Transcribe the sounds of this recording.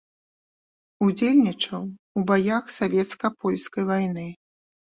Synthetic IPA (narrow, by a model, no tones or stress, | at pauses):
ud͡zʲelʲnʲit͡ʂɐw | ubajaxsavʲɛt̪skɐpɔlʲskɐjvajnɨ